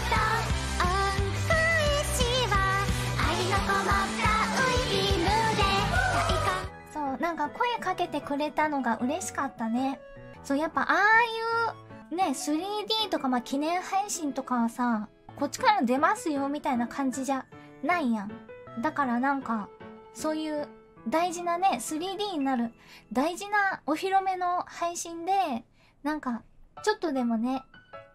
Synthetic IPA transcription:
t̪o | akɯiɕiβaainakaβat̪ːaɯiimɯd̪eaʔika | so̞ːnãŋkako̞e̞kake̞t̪e̞kɯ̟ɾe̞t̪ano̞ɡaʔɯ̟ɾe̞ɕi̥kat̪ːane̞ | so̞ːjapːa̰ʔaːjɯ̟ː | ne̞sɨɾʲiːd̪ʲiːt̪o̞kamaːkʲinẽ̞ɰ̃haiɕĩnt̪o̞kaβasa | ko̞t͡ɕːi̥kaɾãd̪e̞masɨjo̞mʲit̪ainakʰãɲ̟d͡ʑiʑa | naijãŋd̪akaɾanãŋkaso̞ːjɯ̟ː | d̪aiʑinane̞sɨɾʲiːd̪ʲiːɲinaɾɯ̟d̪aiʑinao̞çiɾome̞no̞haiɕĩnd̪e̞ | nãŋkat͡ɕo̞t̪ːo̞d̪e̞mo̞ne̞

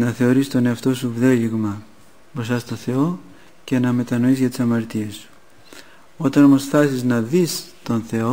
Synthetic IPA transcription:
nɐθe̞o̞ɾist̪o̞ne̞ɐft̪o̞suvðe̞ʎiɣmɐ | pɾosɐst̪o̞θe̞o̞ | ce̞nɐme̞t̪ɐno̞izʝɐt̪i̥sɐmɐɾt̪iesu̥ | o̞t̪ɐno̞mo̞sθɐsiznɐðist̪o̞nθe̞o̞

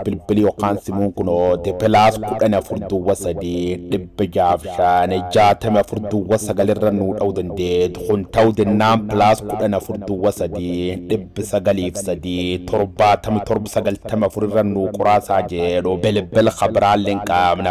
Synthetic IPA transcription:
bɪlbɪljɔkaːnsɪmuːŋkʊnɔt̪ɪpɪlaːskʊᶑɐnɐfʊɾd̪ʊwːɐsɐd̪iːᶑɪbːɪd͡ʒaːfʃanɛd͡ʒaːt̪ɐmɛɐfʊɾd̪ʊwːɐsɐɡɐlɪrːɐnuːᶑɐwʊd̪ɐnd̪eːt̪ʊ̥kʊnt̪ɐwd̪ɛnːaːnpɪlaːskʊᶑɐnɐfʊɾd̪ʊwːɐsɐd̪iːᶑɪbːɪsɐɡɐliːfsɐd̪iːt̪ɔɾbaːt̪ɐmɛt̪ɔɾbɪsɐɡɐlt̪ɐmɐfʊɾɪrːɐnukʼʊɾaːsaːd͡ʒɛᶑʊbɛlbɛlxɐbɾaːlːɛŋkʼɐmnɐ

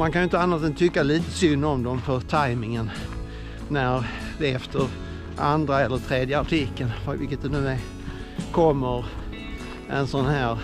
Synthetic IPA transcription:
mankʰanjʊɪnt̪əanːaʂɛnt̪ʰʏkːaliːt̪ə̥sʏnːɔmd̪ɔmfœɾt̪ʰajmɪŋənː | æɾ | d̪ɛɛft̪əɾ | ʔand̪ɾaɛlːəʈ̪ʰɾeːd̪jəaʈʰɪkːənfvɪ̰kːət̪̚d̪ɛnʉːd̪ɛ | kʰɔmːəɾ | ɛnsɔnhæːɾ

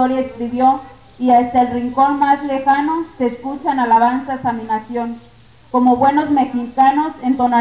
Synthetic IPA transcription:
oɾjaeskɾiβjo̞ | iast̪aelriŋko̞nmazle̞xano̞se̞skut͡ʃaenalaβ̞ansaesamĩnasjo̞ŋ | ko̞mo̞βwe̞no̞zme̞xikano̞se̞nt̪ona

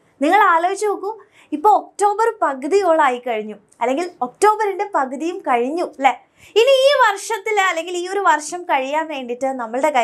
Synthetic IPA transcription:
niŋːɐɭaːloːit͡ɕːɐukːu | ipːo̞ːok̚ʈo̞ːbɐrpɐɣɐðijo̞ːɭaːjikːɐɻiɲːu | ɐlːe̞ŋɡilo̞k̚ʈo̞ːbɐɾiɳɖepɐɣɐðijumkɐɻiɲːulːe | iniiːʋɐrʂɐt̪ːilɐlːe̞ŋɡiliːo̞ɾuʋɐrʂɐmkɐɻijaːnʋe̞ːɳɖiʈːɨnɐmːɐɭɨɽe̞kɐ

